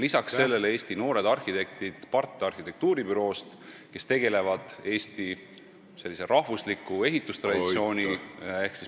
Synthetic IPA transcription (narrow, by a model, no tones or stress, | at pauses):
lisɑksse̞lːe̞lee̞ːsʲt̪ino̞ːɾe̞d̪̥ɑrhit̪e̞k̚t̪id̪̥pɑrt̪ːˑeɑrxit̪e̞k̚t̪uːɾibyɾo̞ːst̪ke̞st̪e̞ɡe̞le̞vɑd̪̥e̞ːst̪i | se̞lːise̞ɾɑhvuslikːˑue̞ɦit̪ːˑust̪rɑd̪isio̞ːnʲieksis